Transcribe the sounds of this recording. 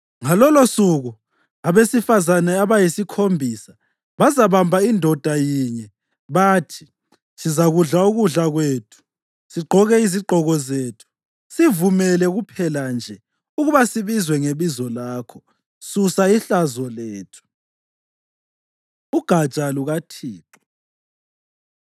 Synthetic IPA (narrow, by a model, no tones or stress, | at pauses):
ŋalɔlosuɣu | aβesifazanɛaβajisikʰombʱisa | βazaβambʱaindʱɔd̥ʱajiɲɛ | βatʰi̥ | sizaɣuɮauɣuɮaɣweːtʰu̥ | siɡ͡ǃʱɔɣɛiziɡ͡ǃʱɔɣɔzeːtʰu̥ | sivumɛlɛɣupʰɛland͡ʒʱɛ | uɣuβasiβizwɛŋeβizɔlaːkʰɔ̥ | susaiɬazɔleːtʰu̥ | uɡ̥ʱat͡ʃʼaluɣatʰiːǃɔ